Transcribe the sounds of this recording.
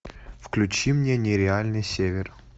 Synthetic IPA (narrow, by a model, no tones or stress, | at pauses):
fklʲʉt͡ɕimnʲenʲɪɾʲɪalʲnɨjsʲevʲɪr